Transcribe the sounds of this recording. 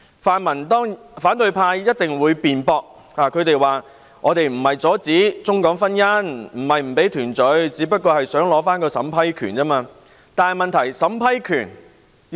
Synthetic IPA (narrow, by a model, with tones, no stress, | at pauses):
faː˨˧nmɐ˨˩nt̪ɔː˥ŋ | faː˨˥nt̪ɵ˧ɥpʰaː˧jjɐ˥t̚t̪ɪ˨ŋwuː˨˧jpiː˨npɔː˧k̚ | aː˨kʰɵ˨˧ɥt̪e˨jwaː˨˩ | ŋʔɔː˨˧t̪e˨jm̩˨˩hɐ˨jt͡sɔː˨˥t͡siː˨˥t͡sʊ˥ŋkɔː˨˥ŋfɐ˥njɐ˥nm̩˨˩hɐ˨jm̩˨˩pe˨˥jt̪ʰyː˨˩nt͡sɵ˨˥ɥt͡siː˨˥pɐ˥t̚kːɔː˧hɐ˨jsœː˨˥ŋlɔː˨˥faː˥nkɔː˧sɐ̰˨˥mpʰɐ˥jkʰy̰ː˨˩nt͡sɐː˥maː˧ | t̪aː˨nhɐ˨jmɐ˨nt̪ʰɐ˨˩jsɐ˨˥mpʰɐ˥jkʰyː˨˩n